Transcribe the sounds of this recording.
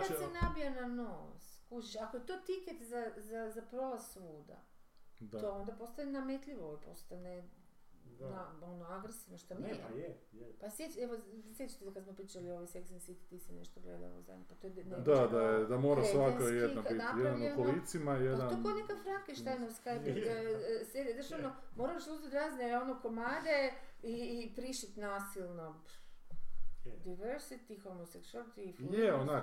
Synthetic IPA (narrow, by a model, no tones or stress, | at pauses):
kasenabijananoskut͡ʃiʃakojet̪ot̪iket̪zazazapɾo̞lazsuːd̪a̰ | t̪oond̪apo̞st̪anenamet̪ʎʲiʋoipo̞st̪ane | nao̞noaɡɾesiʋnoʃt̪am | pasjet͡ɕeʋosjet͡ɕi̥t̪esakad̪smopɾiːt͡ʃalioʋajseksensit̪i̥t̪isenḛʃt̪oɡlḛd̪a̰l̰za̰d̪ʲɲʲopat̪ojened̪ad̪ajed̪amoːɾasʋakajed̪nobinajɛd̪anukolit̪simajed̪anokonekafɾakeʃt̪ajnoʋskajpi | sed̪ed̪rʒaʋnomoɾalʃuzit̪ɾaːzneonokomaːd̪eiːpɾiʃit̪naːsilˠnop | d̪ajʋeɾsit̪ixomosekt͡ʃalt̪ifjeona